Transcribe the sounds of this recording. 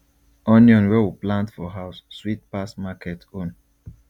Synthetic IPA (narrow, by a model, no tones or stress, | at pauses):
ɔnjɔ̃nwɛwuplãntfɔɦaʊsːwit̚pasmakʰɛtõn